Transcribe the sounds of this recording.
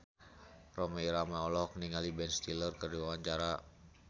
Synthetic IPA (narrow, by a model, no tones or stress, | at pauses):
rɔmɛiɾamaɔlɔk̚niŋalibɛnst̪ilərkərdiwawaɲt͡ʃaɾa